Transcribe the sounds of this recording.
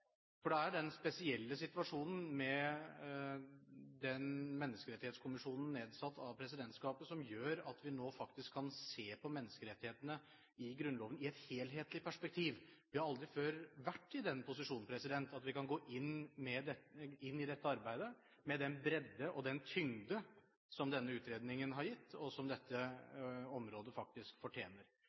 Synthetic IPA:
fɔɖɛæɖɛnspɛsɪɛlːəsɪt̪ʋɑʂuːnn̩mɛ | d̪ɛnmɛnːəskəɾɛt̪ːɪheːt̪skʰʊmɪʂuːnən̩neːd̪sɑt̪ʰːɑʋpʰɾɛs̬ɪd̪ɛnt̪skɑːpəsɔmjøːɾɑt̪ʋɪnoːfɑk̚t̪ɪskʰːɑnseːpʰɔmɛnːəskəɾɛt̪ːɪheːt̪ənə | ɪɡɾʉnlɔːʋənəɪɛt̪heːlɦeːt̪lɪpʰæʂpɛk̚t̪ʰiːʋʋɪhɑɾɑld̪ɾɪføːɾʋæʈːɪd̪ɛnːpʰʊs̬ɪʂuːn̩pʰɾɛsɪd̪ɛnt̪ɑt̪ʋɪkɑnɡoːʔɪnːmɛd̪ɛɪnːɪd̪ɛt̪ːəɑɾbæɪd̪ə | mɛd̪ɛnbɾɛd̪ːəʔɔd̪ɛnt̪ʰʏŋd̪ə | sɔmd̪ɛnːəʉːt̪ɾeːd̪nɪŋənɦɑɾjɪt̪ːɔsɔmd̪ɛt̪ʰːə | ɔmɾoːd̪əfɑk̚t̪ɪskfɔʈʰjeːnəɾ

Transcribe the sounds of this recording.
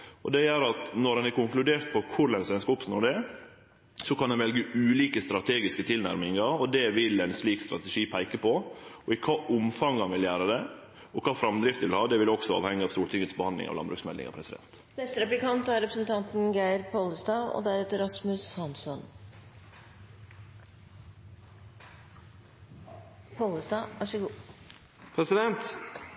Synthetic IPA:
ɔd̪ɛjæɾɑt̪nɔɾɑnæɾkʊŋklʉd̪eːɾt̪̚pʰɔkʰʊɾlɛnsʋɛnskəɔpsnuːɖɛ | sɔkɑndɑnʋɛlɡəʉːliːkəst̪ɾɑt̪ʰeːɡɪskət̪ʰɪlnæ̰ɾmɪŋɑɾɔd̪ɛʋɪlɛɪnsliːkst̪ɾɑt̪ɛʂiːpʰæɪkəpɔɔɪkʰɑːʔʊmfɑŋhɑnʋɪljæːɾəd̪ɛ | ɔkʰɑːfɾɑmd̪ɾɪft̪əʋɪlhɑːd̪ɛʋɪlɔksɔɑ̰ːʋhɛŋːəɑʋst̪uːʈɪŋːət̪sbəhɑnd̪lɪ̰ŋɑ̰ʋ̪lɑ̰nbɾʉ̰ːksmɛ̰ld̪ɪ̰ŋɑ̰pʰɾɛsɪd̪ɛ̰nt̪ | nɛst̪əɾɛplɪkʰɑnt̪æɾɾɛpɾəsənt̪ʰɑnt̪n̩ɡæɪɾpʰoləsd̪ɑːɔ̰d̪æɾɛt̪əɾɑsmʉshɑnsɔn | pʰoləsd̪ɑːʋæʂəɡuː | pʰɾɛsɪd̪ɛnt̪

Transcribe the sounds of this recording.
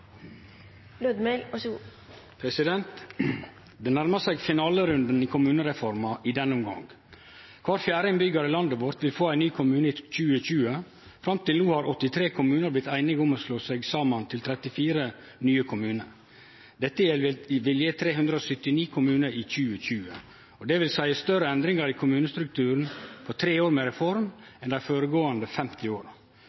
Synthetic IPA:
lød̪melɔsu | pʰɾɛsɪd̪ɛnt̪ | d̪ɛːnæɾməsæɪɡfɪnɑːləɾʉnd̪əniːkʰʊmʉːnəɾɛfɔɾmɑʔɪd̪ɛnːəʊmɡɑ̰ŋ | kʰʋɑːɾfjæːɾɪnbʏɡəɾəlɑnd̪əʋɔɾt̪ʋɪlfoːæɪnyːkʰʊmʉːnəc͡çʉːəc͡çʉːə | fɾɑmt̪ɪlnuːhɑːɾɔt̪ːɪt̪ʰɾeːkʰʊmʉːnəɾblɪt̪æɪnɪɡʊmoːsloːsæɡsɑːmənt̪ʰɪlt̪ʰɾɛt̪ɪfiːɾə | nyːəkʰʊmʉːnəɾ | d̪ɛt̪ːəjɛlʋɪljət̪ʰɾeːɦʉnd̪ɾəɔsœt̪ɪniːkʰʊmʉːnəɾiːc͡çʉːəçʉːə | ɔd̪ɛʋɪlsæɪəst̪œɾəɛnd̪ɾɪŋɑɾikʰʊmʉːnəst̪ɾʉk̚t̪ʰʉːɾn̩pʰɔt̪ʰɾeːoːɾmeɾɛfɔɾmɛnd̪æɪfoːɾəɡoːənd̪əfɛmt̪ɪoːɾ

